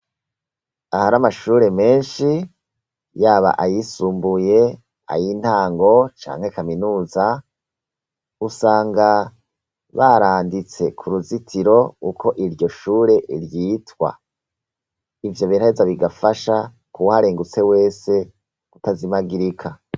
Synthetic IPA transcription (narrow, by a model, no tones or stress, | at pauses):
ahaɾamaʃuːɾe̞me̞ːnʃi | jaːβa̰ʔajisuːmbuje̞ | a̰jin̥haːŋɡo̞t͡ʃa̰ːŋ̥he̞kaminuːza | usaːŋɡa | βaɾaːndit͡se̞kʰuɾuzitʰiɾo̞ukʰo̞ʔiɾjo̞ʃuːɾe̞ʔiɾjitwa̰ | ivjo̞βinaezaβiɡafaʃa | kuhaɾeːŋɡut͡se̞we̞ːse̞ | ɡ̥utazimaɡiɾikʰa